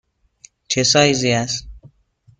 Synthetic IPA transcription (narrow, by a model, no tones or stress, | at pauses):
t͡ʃʰesɒːjziæs